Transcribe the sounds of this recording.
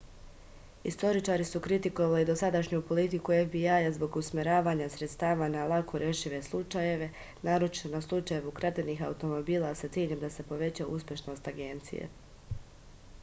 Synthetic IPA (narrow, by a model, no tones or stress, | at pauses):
ist̪o̞ɾit͡ʃaɾisukɾit̪iko̞ʋalid̪o̞sad̪aʃɲupo̞lit̪ikuevbiajazbo̞ɡusmʲeɾaːʋaɲasɾe̞t̪st̪aːʋanalˠakʰoɾje̞ʃiʋe̞slˠut͡ʃaje̞ʋe̞ | naːɾo̞t͡ʃi̥t̪onaslˠut͡ʃaje̞ʋukɾat̪eniːxa̰ut̪o̞mo̞biːlˠasat̪jiʎemd̪asepo̞ʋe̞t͡ɕaṵspʲje̞ʃno̞st̪aɡe̞nt̪sḭjḛ